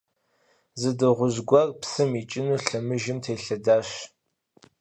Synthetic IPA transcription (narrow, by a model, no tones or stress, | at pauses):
zɨdɨʁʷʊʑɡʷɐrpsɨmit͡ʃʼɪnuːɬɐmɨʒɪmtʰeːɬɐdaːɕ